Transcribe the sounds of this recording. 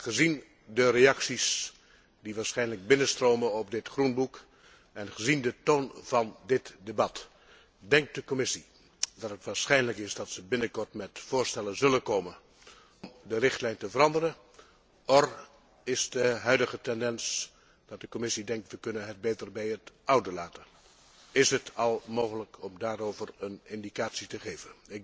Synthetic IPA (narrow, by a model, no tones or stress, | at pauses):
χəzin | dərejɑksis | diʋaːɹsχɛjnləɡ̚bɪnənstroːmənɔpdɪtχrunbuk | ɛnχəzindətoːnv̥ɑndɪtdebɑt | dɛŋk̚d̥əkomɪsi | dɑtɦətʋaːɹsχɛjnləkɪsdɑtsəbɪnəkɔɹtmɛtfʊːɹstɛlənzɵlənkoːmən | ɔmdərɪχtlɛjntəvərɑndərən | ɔr | ɪsdəɦœɥdəχətɛndɛns | d̥ɑt̚dəkomɪsidɛŋk̚tʋəkɵnənɦət̚bejtərbɛjətʔʌwdəlaːtə | ɪsɦətɑlˠmoːχələkʰɔmdaːɹowvəɹənɪndikaːtsitəχejvənɪɡ